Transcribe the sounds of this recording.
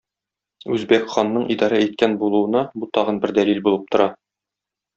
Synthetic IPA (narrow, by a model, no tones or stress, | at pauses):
ʉzbækχɑnːɤɴʔid̪ɑɾæit̪̚kænbulˠuɤ̆nɑbut̪ɒʁɤ̆nbɘɾd̪ælilbulˠɤp̚t̪ŏɾɑ